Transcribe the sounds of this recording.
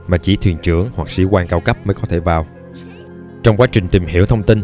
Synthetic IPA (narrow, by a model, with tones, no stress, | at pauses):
maː˨˩t͡ɕi˧˩t̪ʰwi˨˩ənt͡ɕɨ˧˩əŋhwa˨˩k̚sḭ˧˦kwaː˧nkaː˧wkə˦˥p̚məː˨˦kɔ˨˦t̪ʰe˧˩vaː˨˩w | t͡ɕɔ˧wŋ͡mkwaː˨˦t͡ɕï˨˩ŋ̟t̪i˨˩mhḭ˧˩əwt̪ʰə˧ŋ͡mt̪i˧n